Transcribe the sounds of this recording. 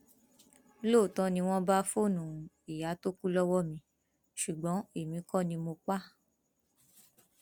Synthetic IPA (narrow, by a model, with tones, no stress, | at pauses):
lo˦˨tɔ̃˧nĩ˧w̃ɔ̃˦ba˦fo˦˨nũ˨ | i˨ja˨˦to˦ku˦lɔ˦wɔ˦mĩ˧ | ʃu˨ɡ͡bɔ̃˨˦e˦˨mĩ˨˦kɔ˦˨nĩ˧mo˧k͡pa˦